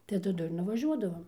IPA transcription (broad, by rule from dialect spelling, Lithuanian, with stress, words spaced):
tɐɪ tɐˈdʊ ɪr nʊʋɐˈʒʲuɔdɐʋoːm